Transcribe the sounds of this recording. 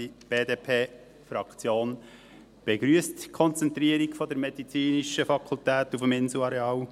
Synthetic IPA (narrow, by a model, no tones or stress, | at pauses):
ib̥eːd̪epʰeː | fɾɑkʰt͡sjoːn | b̥eɡɾyəstkʰɔnt͡sɛnt̪ɾiəɾikfɔd̪əɾmɛd̪it͡siːniʃəfɑkʰult̪æːt̪ufəmɪnsl̩uɑɾeɑːw